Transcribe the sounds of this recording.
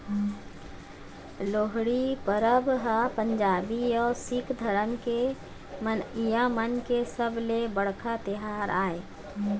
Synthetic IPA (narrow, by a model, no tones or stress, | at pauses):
loːɦɽipəɾəbɦapə̃ɲd͡ʒaːbiɔːɾsɪkʰd̪ʱəɾənke | mənjamənkesəblebəɽkʰat̪ɪɦaːɾaːeː